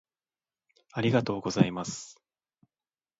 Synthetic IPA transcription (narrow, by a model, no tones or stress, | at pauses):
aɾʲiɡat̪o̞ːɡo̞zaimasɨ̥